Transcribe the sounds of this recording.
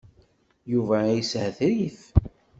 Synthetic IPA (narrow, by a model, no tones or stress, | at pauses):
juvæjəsɦəθɾif